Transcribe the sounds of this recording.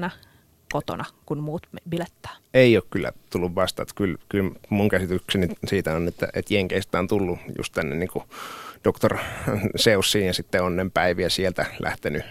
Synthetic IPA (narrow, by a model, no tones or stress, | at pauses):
nɑ | kot̪o̰nɑkunmuːt̪mbilet̪ːɑ̥ːeˑioːkkylːæ̰t̪ulːuʋʋɑst̪ɑ̰t̪kylkylmuŋkæsit̪yksenisiːt̪æonet̪ːæ̰ʔḛt̪jeŋkest̪ˑæːnt̪ulːujṵst̪t̪ænːḛnniːŋkud̥okt̪orseusːiːnjɑsit̪ːeonːempæiʋiæsielt̪ælʔæ̰ht̪eny